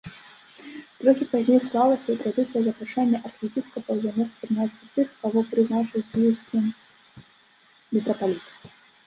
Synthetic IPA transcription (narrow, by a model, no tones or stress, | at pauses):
t̪ɾɔxʲipazʲnʲejsklˠalˠɐsʲɐɐt̪ɾad̪ɨt̪sɨjɐzɐpɾaʂanʲːɐʔɐrxʲɛpʲiskɐpɐwzʲamɔk̪pɾɨnat̪sʲɐt̪ɨxkavɔpɾɨznat͡ʂɨwʲsʲiskʲi | mʲɛt̪ɾɐpalʲit̪